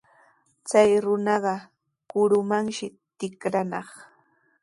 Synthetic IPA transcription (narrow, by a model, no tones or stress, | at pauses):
t͡sajɾʊnɑɢɑ | kʊɾʊmaŋʃɪ | t̪ɪkɾanɑχ